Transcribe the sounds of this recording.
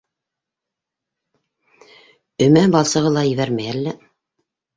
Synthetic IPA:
ɵ̆mæbɑlˠsɤ̆ʁɤlˠɑjɘ̆βæɾmæjælːæ

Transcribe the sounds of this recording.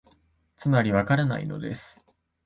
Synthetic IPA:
t͡sɨmaɾʲiβakaɾana̰ḭno̞̰d̪e̞̰sɨ̥

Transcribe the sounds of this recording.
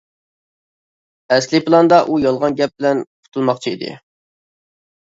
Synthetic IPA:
ɛskʲlɨpʰɨlˠɑnd̪ɑʔujɑlˠʁɑnɡʲɛp̚bɪlɛnqʰʊ̥t̪ʰulˠmɑqt͡ʃʰiḭd̪ɪ̰

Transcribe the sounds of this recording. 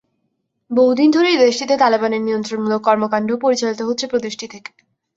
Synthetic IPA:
boɦud̪ind̪ʱoɾejd̪eʃʈit̪et̪alebaneɾnijont̪ɾoɾmulok̚kɔɾmokaɳɖʱopoɾit͡ɕalit̪oɦotːɕʰepɾot̪iʃʈʰit̪ʰek

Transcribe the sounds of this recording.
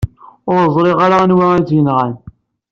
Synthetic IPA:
ʊɾzˤɾɪʁaɾanwæt͡sːjənʁæn

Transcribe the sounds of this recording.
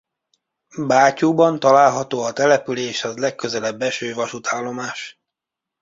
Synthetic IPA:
baːcuːbɒnt̪ɒlaːlɦɒt̪oːɒt̪ɛlɛpyleːʃɛzlɛkːø̞zɛlɛbːɛʃøːvɒʃut̪ʰaːlːo̞maːʃ

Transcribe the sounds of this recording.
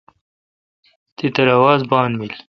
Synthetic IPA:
t̪et̪ɐɾawɑːzbɑːnmil

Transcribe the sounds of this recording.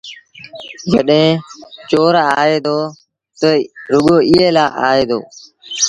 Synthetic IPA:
d͡ʒəɗɦẽːt͡ʃoːɾaːeːd̪oː | t̪əɾʊɠoːʔɪːeːlaːʔa̰ːeːd̪o̰ː

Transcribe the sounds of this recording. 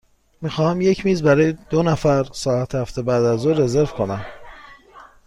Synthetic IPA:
miːxɒːhæmje̞cʰmiːzbæɾɒːjed̪̥onæfæɾsɒːæt̪ʰhæft̪ʰebæːd̪æzuːɾe̞ze̞ɾvkʰo̞næm

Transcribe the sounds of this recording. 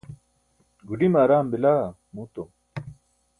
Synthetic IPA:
ɡuɖimaːɾaːmbilaː | muːt̪o

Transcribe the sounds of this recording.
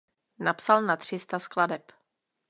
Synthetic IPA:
napsalnat̪r̝̥ɪst̪askladɛp

